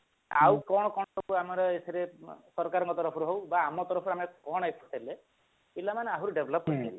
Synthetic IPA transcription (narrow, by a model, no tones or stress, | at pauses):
a̰wkɔɽ̃ɔkɔɽ̃ɔsɔkuamɔɾɔesʰeɾesɔɾkaɾɔ̃ŋkɔt̪ɔɾɔpʰɔɾuɦowbaːmɔt̪ɔɾɔpʰɔɾamekɔɽ̃ajpʰu̥ʈʰele | ilamaneaɦuɾuɖebʱlɔp̚kɔieɾi